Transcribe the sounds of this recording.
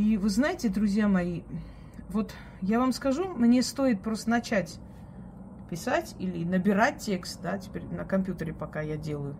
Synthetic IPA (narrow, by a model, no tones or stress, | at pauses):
ivɨznajɪtʲɪd̪ɾʊzʲjamɐji | vo̞t̪ | javamskɐʐumnʲe̞st̪o̞ɪt̪̚pɾo̞st̪ənɐt͡ɕætʲ | pʲɪsatʲilʲɪnəbʲɪɾat̚ʲtʲːe̞kst̪̚d̪atʲɪ̥pʲeɾʲnəkɐmʲpʲjut̪əɾʲɪpɐkajadʲe̞lˠəjʊ